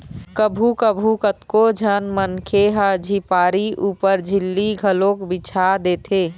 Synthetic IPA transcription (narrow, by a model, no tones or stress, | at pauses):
kəbʱukəbʱukət̪kod͡ʒʱənmənkʰeɦəd͡ʒʱipaːɾiʔuːpəɾd͡ʒʱɪlːiɡʱəlõkbit͡ʃʰad̪eːt̪ʰeː